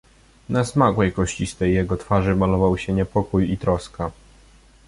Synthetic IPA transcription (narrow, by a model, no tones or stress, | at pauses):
nasmakwɛjkɔɕt͡ɕist̪ɛjːɛɡɔt̪faʐɘmalɔvawɕɛɲɛpɔkujit̪ɾɔska